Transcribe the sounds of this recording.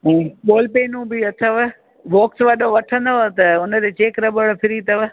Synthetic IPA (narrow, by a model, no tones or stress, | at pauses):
ɛ̃ːɓoːlpeːnũbɪɐt̪ʰəʋə | ʋoːksʋaɗoʋɐʈʰə̃nd̪oɦt̪ɐʊnəd̪et͡ɕeːkɾɐbəɭpʰɪɾit̪ɐʋə